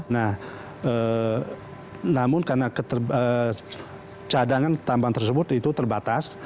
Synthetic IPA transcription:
nah | ə | namʊnkarnakət̪ərə | t͡ʃadaŋant̪ambaŋt̪ərsəbʊt̪it̪ut̪ərbat̪as

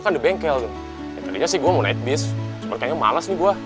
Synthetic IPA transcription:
kandibɛŋkɛlt̪ʊ | jat̪adiɲasɪhɡuamana̰ɪt̪̚bɪsmarkaɲama̰lasɲiɡua

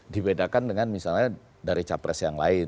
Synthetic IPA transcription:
dibedakandəŋanmisalɲa | daɾit͡ʃapɾɛsjaŋlaɪ

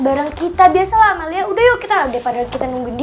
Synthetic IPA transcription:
baɾaŋkit̪abiasalamaliaudahjokit̪audapadalkit̪anuŋɡundi

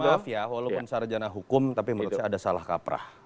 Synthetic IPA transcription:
afjawalapʊnsaɾd͡ʒanaɦukʊmt̪apiməɾut̪saːdasalahka̰pɾa̰h

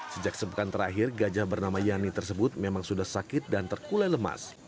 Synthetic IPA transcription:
səd͡ʒak̚səpəkant̪əɾaɦɪrɡad͡ʒabərnamajanit̪ərsəbʊt̪̚memaŋsudahsakɪt̪̚dant̪ərkulaləma̰s

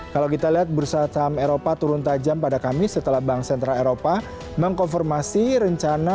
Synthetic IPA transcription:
kalawkit̪aliɦat̪̚bəɾusat̪ameɾopat̪uɾʊnt̪ad͡ʒampadakamisət̪əlahbaŋksɛnt̪ɾaleɾopa | məŋkɔnfɔrmasiɾəɲt͡ʃana

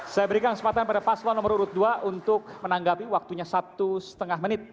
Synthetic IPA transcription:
sajabəɾikanŋksəpat̪anpadapaslɔnɔməruɾʊt̪̚duaʔunt̪ʊk̚mənaŋɡapiwak̚t̪uɲasat̪usə̥t̪əŋahmənɪt̪̚

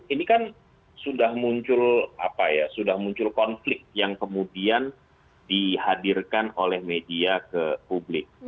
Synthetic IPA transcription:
inikan | sudahmuɲt͡ʃʊla̰pajasudahmuɲt͡ʃʊlkɔnflɪk̚t̪̚jaŋkəmudian | dihadirkanolɛhmediakəpublɪk̚

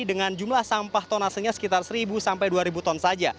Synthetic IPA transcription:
dəŋand͡ʒumlahsampaht̪ɔnasəɲasə̥kit̪arsəɾibusampajduaɾibut̪ɔnsad͡ʒa

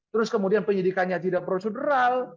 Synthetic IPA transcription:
t̪əɾʊskəmudianpəɲidikanɲat̪idaʔpɾosedəɾal

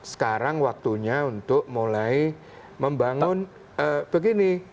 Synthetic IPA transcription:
sə̥kaɾaŋwak̚t̪uɲaunt̪ʊʔ̚mulai | məmbaŋʊn | əb̥əɡini

